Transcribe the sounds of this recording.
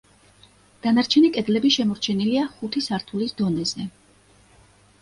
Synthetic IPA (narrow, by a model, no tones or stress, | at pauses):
d̪̥anaɾt͡ʃʰɛnikʼɛd̪lɛbiʃɛmɔɾt͡ʃʰɛniliaχut̪ʰisaɾt̪ʰulisd̪ɔnɛz̥ɛ